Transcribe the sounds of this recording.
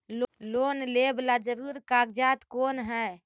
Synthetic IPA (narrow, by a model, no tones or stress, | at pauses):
llonleblad͡ʒəɾuɾkaɡd͡ʒat̪konɦɛ